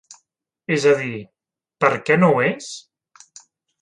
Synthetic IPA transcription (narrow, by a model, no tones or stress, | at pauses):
ezəði | pəɾkɛnowes